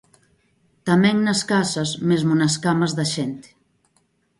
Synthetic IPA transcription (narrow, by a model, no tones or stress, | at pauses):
t̪amɛŋnɐskasɐzmezmunɐskamazðaʃent̪e̥